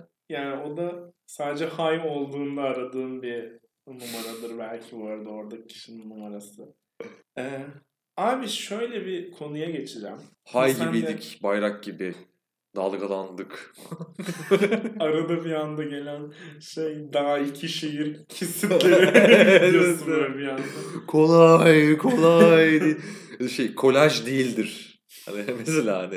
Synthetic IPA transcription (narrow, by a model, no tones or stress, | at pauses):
jaːnɪo̞d̪asaːd̪ed͡ʒɛhajo̞lˠd̪uːnd̪aːɾad̪ɯːnbi | numaɾad̪ɯɾbælʲcʰiboɾad̪aoɾd̪acʰi̥ʃinnːumaɾasɯ | ɛ | aːbiʃø̞jlʲɛbikʰo̞nujaɟe̞t͡ʃʰid͡ʒæm | hajɟ̪ibiicbajɾak̚ɟibɪ | d̪a̰lˠɡalˠand̪ɯk | aɾad̪abiand̪aɟe̞lʲænʃejd̪aɦaicʰiʃejiɾcʰisilʲe | ɛsɾbiand̪akʰo̞lˠajkʰolˠajd̪iʃejkʰo̞lʲæʒd̪ijilʲd̪iɾ̥ | ha̰nɪmeselʲaːanɪ